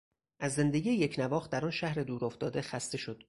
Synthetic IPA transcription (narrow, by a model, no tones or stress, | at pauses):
ʔæzːe̞nd̪eɡʲiːjejecʰnævɒːxt̪d̪æɾɒːnʃæhɾe̞d̪uːɾoft̪ɒːd̪e̞xæst̪e̞ʃo̞d̪̥